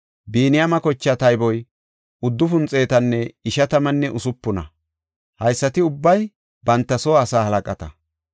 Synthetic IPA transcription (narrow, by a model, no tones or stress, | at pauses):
biːnɪjamɐkɔt͡ʃːɐt̪ɐjbɔj | ʊd̪ːʊfʊnt͡sʼːe̞ːt̪ɐnːɛɪʃɐt̪ɐmɐnːɛʔʊsʊpːʊnɐ̰ | hɐjsːɐt̪ɪʊbːɐj | bɐnt̪ːɐsɔːsaːhɐlɐkʼɐt̪ɐ